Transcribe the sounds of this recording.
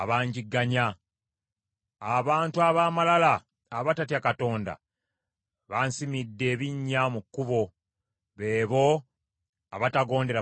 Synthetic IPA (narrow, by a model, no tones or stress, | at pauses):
aβaːɲɟiɡːaɲa | aβaːntuaβaːmalalaː | βatatjakato̞ːnda̰ | βansimidːe̞ːβiɲːamukːuβo̞ | βe̞ːβo̞ | a̰βataɡo̞ːnde̞ɾa